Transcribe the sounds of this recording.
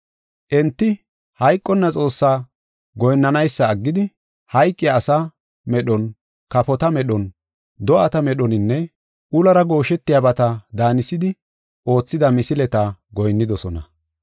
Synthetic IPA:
ʔɛnt̪ːɪ | hɐjkʼːɔnːɐt͡sʼo̞ːsːaː | ɡɔjnːɐnɐjsːɐːɡːɪd̪ɪ | hɐjkʼːɪjaːsa | mɛɗɔn | kɐpɔt̪ɐmɛɗɔn | d̪ɔʔɐt̪ɐmɛɗɔnɪnːɛ | ʔʊlɐɾɐɡo̞ːʃɛt̪ːɪjabɐt̪ɐd̪aːnɪsɪd̪ɪ | ʔo̞ːt͡sːɪd̪ɐmɪsɪlɛt̪ɐɡɔjnːɪd̪ɔsɔnɐ̰

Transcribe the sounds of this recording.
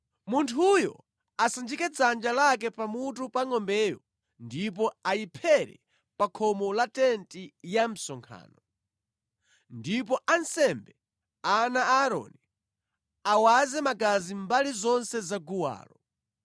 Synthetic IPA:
muntʰujɔ̰ | asand͡ʒikɛd͡zand͡ʒalak̬ɛpamutupaŋɔmbɛːjɔ | ndip̬ɔajipʰɛɾɛ̰ | pakʰɔmɔlatɛntijam̩sɔŋkʰa̰ːnɔ | ndipɔʔansɛmbɛ | anaaɾɔ̰ni | awazɛmakazimbalizɔnsɛzaɡuwa̰ːlɔ

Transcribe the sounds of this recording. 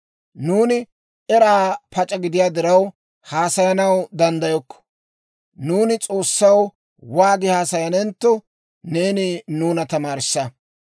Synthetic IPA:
nuːnɪ | ɛɾaːpʰɐt͡ʃʼɐɡɪd̪ɪjaːd̪ɪɾɐw | haːsɐjɐnɐwd̪ɐnd̪ɐjɔkːɔ̥ | nuːnɪt͡sʼo̞ːsːɐw | waːɡɪhaːsɐjɐnɛnt̪ːɔ | neːnɪnuːnɐt̪ɐmaːɾɪsːɐ

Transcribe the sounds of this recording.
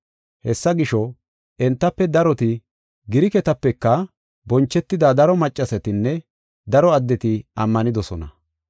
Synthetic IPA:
hɛsːɐɡɪʃɔ | ɛnt̪ːɐpːɛd̪ɐɾɔt̪ɪ | ɡɪɾɪkɛt̪ɐpːɛkːɐ | bɔnt͡ʃːɛt̪ːɪd̪ɐd̪ɐɾɔmɐt͡ʃʼːɐsɛt̪ɪnːɛ | d̪ɐɾɔɐd̪ːɛt̪ɪɐmːɐnɪd̪ɔsɔnɐ̰

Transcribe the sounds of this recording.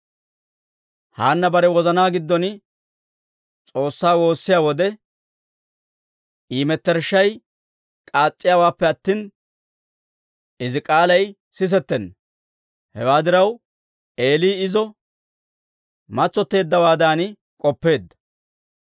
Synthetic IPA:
haːnːɐbɐɾɛwɔzɐnaːɡɪd̪ːɔn | t͡sʼo̞ːsːaːwo̞ːsːɪjaːwɔd̪ɛ | ʔiːmɛt̪ːɛɾʃːɐj | kʼaːt͡sʼːɪjaːwaːpːɛɐt̪ːiːn | ʔɪzɪkʼaːlɐj | sɪs̬ɛt̪ːɛn | hɛwaːd̪ɪɾɐw | e̞ːliːɪzɔ | mɐt͡sːɔt̪ːe̞ːd̪ːɐwaːd̪aːnɪ | kʼɔpːe̞ːd̪ːɐ̥

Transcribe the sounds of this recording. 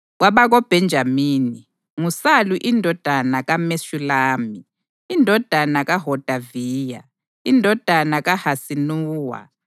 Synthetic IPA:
ɣwaβaɣɔb̥ʱɛnd͡ʒʱamiːni | ŋusaluʔindʱɔd̥ʱanaɣameʃulaːmi | indʱɔd̥ʱanaɣaɦɔd̥ʱaviːja̰ | indʱɔd̥ʱanaɣahasinuːwa̰

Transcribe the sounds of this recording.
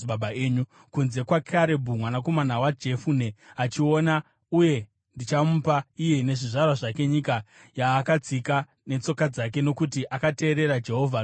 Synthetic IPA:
babaeːɲu | kunze̞kwakʰaɾe̞bʱumwanako̞manawad͡ʒe̞fune̞at͡ʃio̞na | uje̞ | ndit͡ʃamupaijene̞ʐiʐarwaʐake̞ɲika | jaːkad͡zika | ne̞t͡so̞kad͡zak̬e̞no̞kutiʔakate̞ːɾe̞ɾad͡ʒe̞ɦo̞vʱa

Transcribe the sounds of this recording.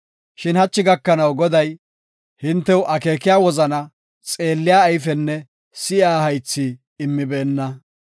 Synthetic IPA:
ʃɪnhɐt͡ʃːɪɡɐkːɐnɐwɡɔd̪ɐj | hɪnt̪ːɛwʊʔɐke̞ːkɪjaːwɔzɐnɐ | t͡sʼe̞ːlːɪjaːjfɛnːɛ | sɪaːhɐjt͡sːiː | mːɪbɛːnːɐ

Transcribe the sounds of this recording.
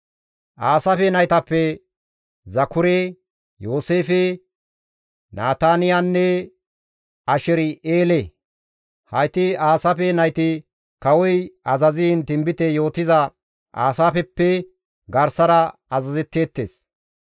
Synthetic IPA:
ʔaːsɐfɛnɐjt̪ɐpːɛ | zɐkʊɾe | jo̞ːseːfe | naːt̪aːnɪjanːɛ | ɐʃɛɾɪeːle | hɐjt̪ɪaːsɐfɛnɐjt̪ɪ | kɐwɔjɐzɐzɪɪnt̪ɪmbɪt̪ɛjo̞ːt̪ɪzɐ | ʔa̰ːsaːfɛpːɛ | ɡɐɾsɐɾɐɐzɐzɛt̪ːeːt̪ːḛːs

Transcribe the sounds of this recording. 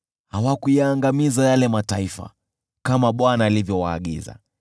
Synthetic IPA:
hawakujaːŋɡamizajalɛmataifa̰ | kamaɓwanaːlivjɔwaːɠḭza̰

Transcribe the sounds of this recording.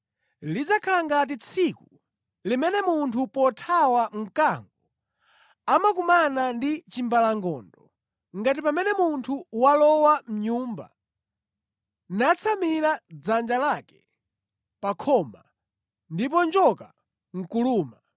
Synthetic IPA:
lid͡zakʰalaŋɡat̬it͡sʰiku | limɛnɛmuntʰupɔtʰawaŋ̩kaŋɡu | amak̬umanandit͡ʃimbalaŋɡɔndɔ | ŋɡat̬ipamɛnɛmuntʰuwalɔwam̩ɲuːmba̰ | nat͡sʰamiɾad͡zand͡ʒalakɛ̥ | pakʰɔma | ndip̬ɔnd͡ʒɔka | ŋ̩kuluːma

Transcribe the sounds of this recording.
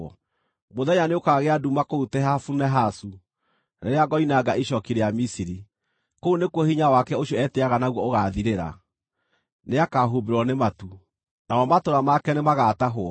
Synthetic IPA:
moðɛɲaneokaɣeadumakoutɛɦafunɛɦasu | neɾeaɡɔinaɡaʔiʃɔkiɾejamisiɾi | kounekwɔhiɲawakɛoʃjɔɛteaɣanaɣwɔoɣaðiɾeɾa̰ | neakaɦubeɾwɔnematu | nawɔmatoɾamakɛnemaɣaːtaɦoɔ

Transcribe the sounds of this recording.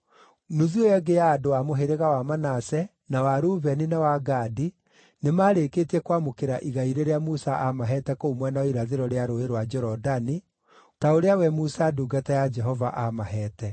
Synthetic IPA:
nuziojɛɡejaːdoamoɦeɾeɣawamanasɛ | nawaɾuβɛninawaɡadi | nemaːɾeketiɛkwamokeɾaʔiɣaiɾeɾeamusaʔamaɦɛtɛkoumwɛnaiɾaðeɾɔɾeaɾoeɾwad͡ʒɛɾɔdani | taoɾeawɛmusaduːɡatajad͡ʒɛɦɔvaʔamaɦɛːtɛ

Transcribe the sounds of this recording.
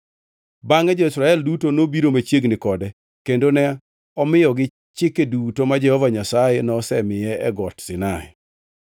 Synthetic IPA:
baŋɛd͡ʒɔisɾaɛldutonobiɾomat͡ʃjeɡnɪkɔdɛ | kendonɛ | ɔmɪjɔɡɪ | t͡ʃɪkedutomad͡ʒɛhɔvaɲasajɛnɔsɛmɪjɛɛɡɔtsɪnaɛ̰

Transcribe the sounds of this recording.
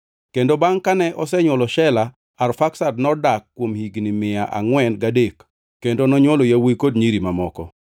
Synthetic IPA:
kendobaŋkanɛʔɔsɛɲwɔlɔʃɛla | arfaksadnɔdakːwomhiɡnimɪaʔa̰ŋwɛnɡadek | kendonɔɲwɔlojawikodɲiɾimamɔkɔ̰

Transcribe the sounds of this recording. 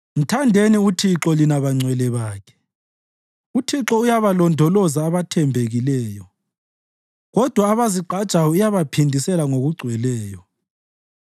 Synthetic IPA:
m̩tʰandʱeniutʰiǁɔlinaβaŋ͡ǀʱwɛlɛβaːkʰɛ̥ | utʰiǁɔujaβalɔndʱɔlɔzaːβatʰɛmbʱeɣilɛːjɔ | ɣɔd̥ʱwaːβaziǃʱḁt͡ʃʼawɔijaβapʰindʱisɛlaŋoɣuɡ͡ǀʱwɛlɛːjɔ

